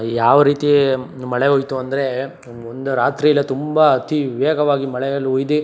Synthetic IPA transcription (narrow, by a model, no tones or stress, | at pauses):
jaːʋɐɾiːt̪imɐɭeɦoːjt̪uɐnd̪ɐɾe̞ | ond̪uɾaːt̪ɾijɐlːɐt̪umbɐɐt̪iʋeːɡʱɐʋaːɡimɐɭɛjɐlːɦoːjid̪e